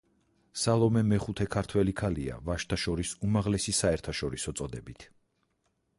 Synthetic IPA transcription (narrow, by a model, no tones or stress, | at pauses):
salˠɔmɛmɛχut̪ʰɛkʰaɾt̪ʰwɛlikʰalia̰vaʃt̪ʰaʃɔɾisumaʁlɛsisaɛɾt̪ʰaʃɔɾisɔt̪sʼɔd̪ɛbit̪ʰ